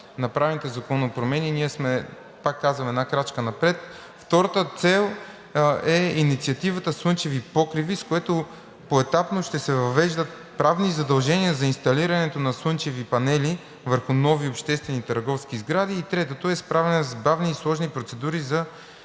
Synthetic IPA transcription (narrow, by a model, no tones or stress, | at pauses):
nɐpɾavɛnit̪ɛzɐkɔnopɾomɛniniɛsmɛ | pakːazvɐmɛd̪nakɾat͡ʃkənɐpɾɛt̪ | ft̪ɔɾɐt̪ət̪sɛlˠ | ɛinit̪siɐt̪ivət̪əsɤnt͡ʃɛvipɔkɾiviskoɛt̪o | poɛt̪apnoʃt̪ɛsɛvɐvɛʒd̪ət̪̚ | pɾavnizɐd̪ɐlˠʒɛniəzɐinst̪ɐliɾɐnɛt̪onɐswɤnt͡ʃɛvipɐnɛli | vəɾxʊnɔviopʃt̪ɛst̪vɛnit̪ɐɾɡɔfskizɡɾad̪iːt̪ɾɛt̪ət̪oɛspɾavɛnɛzbavniːslˠɔʒnipɾot̪sɛd̪uɾizɐ